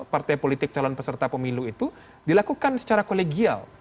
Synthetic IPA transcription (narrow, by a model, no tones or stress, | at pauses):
part̪ajpolit̪ɪk̚t͡ʃalɔnpəsərt̪apəmiluit̪u | dilakukansə̥t͡ʃaɾakoleɡia̰l